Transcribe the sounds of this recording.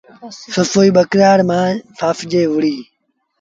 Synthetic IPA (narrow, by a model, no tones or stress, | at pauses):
səfoːiːɓəkɾaːɾmãːfaːfd͡ʒeːʋʊɽiː